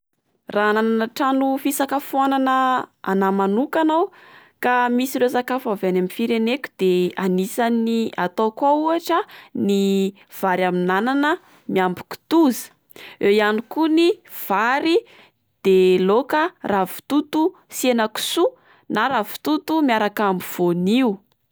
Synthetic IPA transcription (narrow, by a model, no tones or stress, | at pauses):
ranananaʈ͡ʂanufisakəfuananəa̰namanukanawkamisiresakafavanamifiɾenekʲu̥d̪̥eanisaniat̪okauaʈ͡ʂəni | v̥aɾaminananə | miambi̥ki̥t̪uzi̥ | ewianikuniv̥aɾi | d̪̥elokəravi̥t̪ut̪u | senəku̥su | naɾavi̥t̪ut̪umiaɾakambiv̥oniu